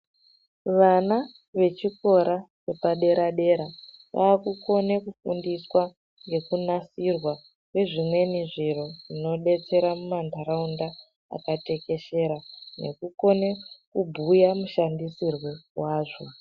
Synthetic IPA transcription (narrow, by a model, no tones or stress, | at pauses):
ʋana | ʋe̞t͡ʃiko̞ɾasepaɗe̞ɾʔaɗe̞ɾaʋa̰ːkuko̞nekufṵndiswa | ŋɡe̞kunasirwa | kwe̞ʐimwe̞niʐiɾo̞ʐino̞ɗe̞t͡se̞ɾamumandʱaɾaunda | a̰kate̞ke̞ʃe̞ɾane̞̰kuko̞ne̞kubʱujamuʃandisirwe̞waːʐo